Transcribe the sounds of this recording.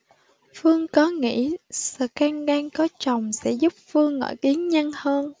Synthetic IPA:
fɨ˧əŋkɔ˨˦ŋḭ˧˥˨sɨ̰ː˧˨˩kaː˧ŋɗaː˧ŋkɔ˨˦t͡ɕə˨˩wŋ͡msɛ̰˧˥zu˦˥p̚fɨ˧əŋːɔ̰˧˩jki˨˦əŋɲə˧nhəː˧n

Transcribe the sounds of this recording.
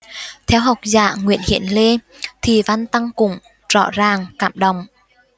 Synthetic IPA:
t̪ʰɛ˧wɦa˨˩wk͡p̚za̰ː˧˩˨ŋwḭ˧˨ənhḭ˧˨ənle˧ | t̪ʰi˨˩va˧nt̪a˧ŋkʊ˧˩ŋ͡m | z̥ɔ̰˧˥zaː˨˩ŋkaː˧˩mɗə˨˩wŋ͡m

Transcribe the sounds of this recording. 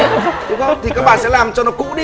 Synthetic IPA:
ɗʊ˨˦ŋ͡mə˨˦ŋ͡mt̪ʰi˨kaː˦˥k̚ɓa̰ː˧˨nsɛ̰˧˥laː˨˩mt͡ɕɔ˧nɔ˨˦kʊ̰˧˥ɗi˧

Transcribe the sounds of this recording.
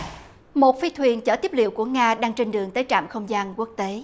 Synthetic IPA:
mo˨˩t̚fi˧t̪ʰwi˨˩ənt͡ɕə̰ː˧˩t̪i˦˥əp̚lḭ˧˨əwku˧˩əŋaː˧ɗaː˧ŋt͡ɕe˧nɗɨ˨˩əŋt̪əː˨˦jt͡ɕa̰ː˧˨mxə˧wŋ͡mzaː˧nku˦˥ək̚t̪e˨˦

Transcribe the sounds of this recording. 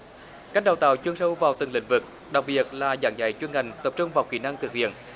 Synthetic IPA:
ka˦˥jk̚ɗa˨˩wt̪a̰ː˧˨wt͡ɕwi˧əŋsə˧wvaː˨˩wt̪ɨ˨˩ŋlḭ˧˥ŋ̟vɨ˨˩k̚ | ɗa˨˩k̚ɓi˨˩ət̚laː˨˩za̰ː˨˩ŋza̰˧˩jt͡ɕwi˧nŋha˨˩ŋ̟t̪ə˨˩p̚t͡ɕʊ˧ŋ͡mvaː˨˩wxi˧˩na˧ŋt̪ʰɨ˨˩k̚hḭ˧˨ən

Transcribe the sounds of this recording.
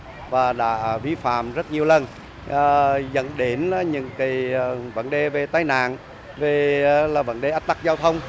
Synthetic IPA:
vaː˨˩ɗa̰ː˧˥˨vi˧fa̰ː˧˨mzə˦˥t̚ɲi˨˩əwlə˧˩n | ʔəː˨˩zə̰˧˨nɗe˨˦nː˨˦ɲɨ̰˧˥ŋka˨˦jvə̰˧˩nɗe˨˩ve˨˩t̪aː˧˦jna̰ː˧˨n | ve˨˩laː˨˩və̰˧˩nɗe˨˩ʔaː˦˥t̚t̪a˦˥k̚zaː˧wt̪ʰə˧wŋ͡m

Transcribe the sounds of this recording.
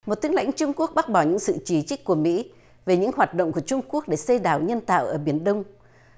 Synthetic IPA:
mo˨˩t̚t̪i˨˦əŋla̰˧˥jŋ̟t͡ɕʊ˧ŋ͡mku˦˥ək̚ɓa˦˥t̚ɓɔ˧˩ɲɨ̰˧˥ŋsɨ̰˧˨t͡ɕi˧˩t͡ɕi˦˥k̟̚kːu˧˩əmḭ˧˥ | ve˨˩ɲɨ̰˧˥ŋhɦwaː˨˩t̚ɗə̰˧˨ŋ͡mku˧˩ət͡ɕʊ˧ŋ͡mku˦˥ək̚ɗe˧˩se˧ɗaː˧˩wɲə˧nt̪a̰ː˧˨wʔəː˧˩ɓi˧˩ənɗə˧wŋ͡m

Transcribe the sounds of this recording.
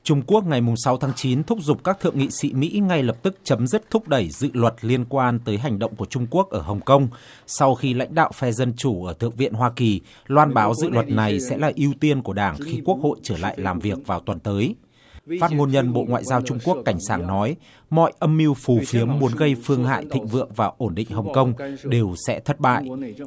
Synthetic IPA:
t͡ɕʊ˧ŋ͡mku˦˥ək̚ŋa˨˩jmʊ˨˩ŋ͡msa˨˦wt̪ʰaː˨˦ŋt͡ɕi˨˦nt̪ʰʊ˦˥k͡p̚zʊ˨˩k͡p̚kaː˦˥k̚t̪ʰɨ̰˧˨əŋḭ˧˨sḭ˧˥mḭ˧˥ŋa˧jlə˨˩p̚t̪ɨ˦˥k̚t͡ɕə˨˦mzɨ˦˥k̚t̪ʰʊ˦˥k͡p̚ɗə˧˩jzɨ̰˧˨lwə˨˩t̚li˧ənkwaː˧nt̪əː˨˦jɦa˨˩jŋ̟ɗə̰˧˨wŋ͡mku˧˩ət͡ɕʊ˧ŋ͡mku˦˥ək̚ʔəː˧˩hə˨˩wŋ͡mkə˧wŋ͡m | sa˧wxi˧la̰˧˥jŋ̟ɗa̰ː˧˨wfɛ˧zə˧nt͡ɕu˧˩ʔəː˧˩t̪ʰɨ̰˧˨əŋ̚vḭ˧˨ənɦwaː˧ki˨˩ | lwaː˧nɓaː˨˦wzɨ̰˧˨lwə˨˩t̚na˨˩jsɛ̰˧˥laː˨˩ʔi˧əwt̪i˧ənku˧˩ə˩ɗaː˧˩ŋxi˧ku˦˥ək̚ho̰˧˨jt͡ɕəː˧˩la̰ː˧˨jlaː˨˩mvi˨˩ək̚vaː˨˩wt̪wə˨˩nt̪əː˨˦j | faː˦˥t̚ŋo˧nɲə˧nɓo̰˧˨ŋwa̰ː˧˨jzaː˧wt͡ɕʊ˧ŋ͡mku˦˥əkːa˧˩jŋ̟saː˧˩ŋnɔ˨˦j | mɔ̰˧˨jʔə˧mːi˧wfu˨˩fi˨˦əmːu˨˦ənɣə˧jfɨ˧əŋɦa̰ː˧˨jt̪ʰḭ̈˧˨ŋ̟vɨ̰˧˨əŋvaː˨˩ʔo˧˩nɗḭ̈˧˨ŋ̟ɦə˨˩wŋ͡mkə˧wŋ͡mɗe˨˩wsɛ̰˧˥t̪ʰə˦˥t̚ɓa̰ː˧˨jʔ

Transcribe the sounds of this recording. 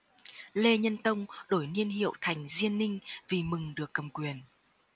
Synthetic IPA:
le˧ɲə˧nt̪ə˧wŋ͡mɗo˧˩jni˧ənɦḭ˧˨əwt̪ʰa˨˩jŋ̟zi˧ənːï˧ŋ̟vi˨˩mɨ˨˩ŋɗɨ˨˩əkːə˨˩mkwi˨˩ən

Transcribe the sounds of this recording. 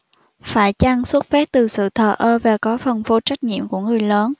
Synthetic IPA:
faː˧˩jt͡ɕa˧ŋswə˦˥t̚fɛ˦˥p̚t̪ɨ˨˩sɨ̰˧˨t̪ʰəː˨˩ʔəː˧vaː˨˩kɔ˨˦fə˨˩nfo˨˦t͡ɕa˦˥k̟̚ɲḭ˧˨əmku˧˩əŋɨ˨˩əjləː˨˦n

